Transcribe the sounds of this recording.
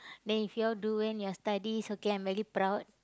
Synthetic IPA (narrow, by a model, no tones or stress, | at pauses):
dɛ̃nifjuduĩŋjɔst̪adisokeãjmvɛɹipɾawt̚